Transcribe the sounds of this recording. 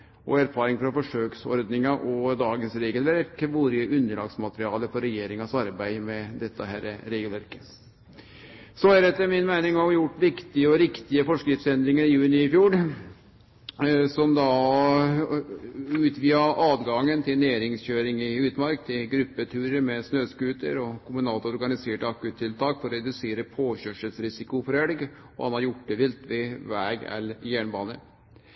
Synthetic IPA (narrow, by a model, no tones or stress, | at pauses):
ʔɔ̰æɾfɑːɾɪŋfɾɑfɔʂøːksɔ̰ɾd̪nɪŋɑʔɔd̪ɑːɡənsɾeːɡəlʋæɾkʋuːɾəəʔʉnd̪əɭɑ̰ːɡsmɑt̪əɾɪɑːləfɔɾɛjeːɾɪŋɑsɑɾbæɪmɛd̪ɛt̪ːəɦæɾəɾeːɡəlʋæɾkə̥ | sɔæɾɛt̪ːəmɪnmæɪnɪŋɑɾjʊʈːʋɪkt̪ɪəɔɾɪkt̪ɪəfɔʂkɾɪt̪sɛnd̪ɾɪŋəɾɪjʉːnɪɪfjuːl | sɔmd̪ɑ | ʉːt̪ʋiːəʔɑːd̪ɡɑŋːənt̪ʰɪlnæːɾɪŋsçøːɾɪŋɪʉːt̪mɑɾkt̪ʰɪlɡɾʏpːət̪ʰʉːɾəɾmɛsnøːskʉːt̪ə̰ɾɔkʰʊmʉnɑːlt̪ɔɾɡɑnɪseːʈəɑkʉːt̪ʰːɪlt̪ʰɑːkfɔɾɾɛd̪ʉseːɾəpʰoːçøʂəlsɾɪsɪkʊfɔɾɛɽɡ | ɔ̰hɑnhɑɾjʊʈ̚ːd̪ɛʋɪlt̪ʋɪʋæːɡɛ̰ljæɳbɑːnə